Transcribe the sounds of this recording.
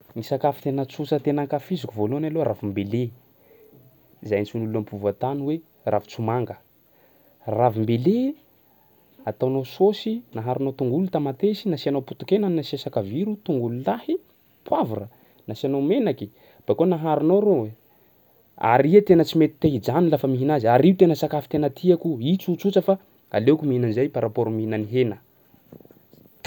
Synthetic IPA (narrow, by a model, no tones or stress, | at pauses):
nisakafi̥t̪enət͡susət̪enaŋkafizikuvoluanaloɾavimbele | zajnit͡sunuluampʰuvat̪anwe | rʔavu̥t͡sumaŋɡə | ravimbele | at̪awnososinaɦaɾunot̪uŋɡulut̪amat̪esinasianowput̪u̥kʲenannasesakəviɾut̪uŋɡululahi | pwavuɾə | nasianomenaki | b̥akonaɦaɾunoɾowe | a̰ɾiat̪enət͡simet̪i̥t̪eɦid͡zanilafəmiɦinaziaɾiwt̪enəsakafi̥t̪enət̪ʰiakuit͡sut͡sut͡səfa | a̰lekʲumiinanzajpaɾapoɾumiinaniɦenə